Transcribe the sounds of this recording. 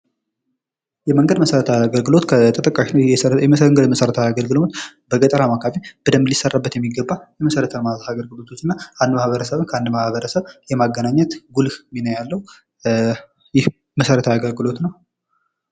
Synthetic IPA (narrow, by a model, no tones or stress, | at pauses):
jɛməŋɡəd̪məsəɾət̪ʰaaɡəlɡɨlo̞t̪kʰət̪ʰət̪ʼəkʼːaʃɛŋɡəd̪məsəɾət̪ʰəaɡəlɡɨlɨmot̪bəɡʼət̪ʼəɾamakʰafib̥əd̪əmlisərːabːət̪jɛmːiɡəbːajɛməsəɾət̪ʰəmaaɡəlɡɨlo̞t̪ʰot͡ʃːɨnːaʔand̪mahβəɾəsəβɨnkʰəand̪mahβəɾəsəβjɛmaɡːənaɲːət̪ɡulminəwjalːəhu | jɪh | məsəɾət̪ʰaaɡəlɡɨlo̞t̪nəw